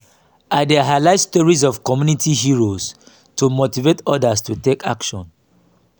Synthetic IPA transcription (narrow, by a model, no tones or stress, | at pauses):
adeɦalaɪstɔɹiz̬ɔvkɔmjunitʰiɦiɹoz | tumotivetɔdastuteka̰kʃɔ̰̃n